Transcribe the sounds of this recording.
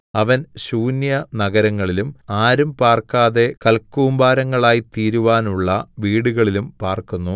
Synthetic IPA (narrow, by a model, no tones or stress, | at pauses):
ɐʋɐnɕuːnjɐnɐɣɐɾɐŋːɐɭilumaːɾumpaːrkaːðe̞kɐlkːuːmbaːɾɐŋːɐɭaːjit̪iːɾuʋaːnuɭːɐʋiːɽuɣɐɭilumpaːrkunːu